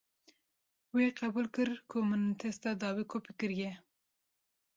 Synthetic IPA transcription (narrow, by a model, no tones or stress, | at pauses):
weqabulkəɾkʰomənt̪ʰest̪ad̪ɑwikʰopɪkiɾje